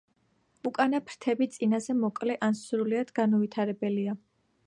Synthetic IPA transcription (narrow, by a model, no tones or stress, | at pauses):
ukʼanapʰɾt̪ʰɛbit̪sʼinazɛmɔkʼlɛʔansɾuliad̪̥ɡanɔvit̪ʰaɾɛbɛlia